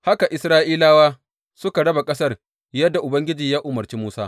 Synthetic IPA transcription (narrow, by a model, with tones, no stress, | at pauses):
ha˦ka˨ʔɪ˨sɾaː˦ʔiː˦laː˦waː˦ | sʊ˦ka˨ɽɐ˦ba˨kʼɐ˦sɐ˦r | jɐ˦dːa˨ʔʊ˨bɐ˦ŋɡʲɪ˦d͡ʒiː˨jaː˦ʔʊ˨mɐ˨rt͡ʃiː˦muː˦saː˦